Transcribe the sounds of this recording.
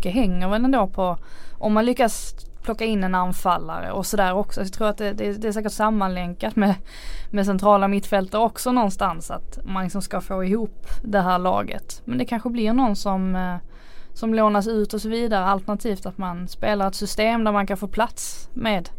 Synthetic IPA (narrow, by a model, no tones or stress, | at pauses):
kːəɦɛŋːəɾvɛlɛnd̪oːpʰɔʔɔmːanlʏkːaspʰlɔkːaɪnːɛnanfalːa̰ɾə̰ʔɔsɔd̪æːɾɔksɔjɑt̪ʰɾuːɾat̪̚d̪ɛd̪ɛd̪ɛːs̬æːkəʈsamːanlɛŋkat̪mɛ | mɛs̬ɛnt̪ʰɾɑːlamɪt̪ːfɛlt̪əɾɔksɔnɔnst̪ansa̰t̪manlɪksɔmskafoːɪhuːpd̪ɛɦæːɾɭɑ̰ːɡə̰t̪mɛnd̪ɛkʰanɧəblɪɾnɔnːsɔm | sɔmloːnas̬ʉ̟ːt̪ɔsɔviːd̪aɾəalt̪ənat̪ʰiːft̪at̪manspeːlaɾɛt̪sʏst̪eːmd̪æɾmankʰanfoːɾpʰlat̪smeːd̪